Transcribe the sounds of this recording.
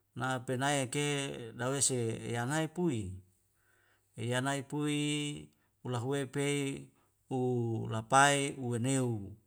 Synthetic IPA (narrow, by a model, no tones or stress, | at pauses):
napenaiakedawesḛːjanaipui | ejanaipui | ulaɦuwepei | ulapaiuweneu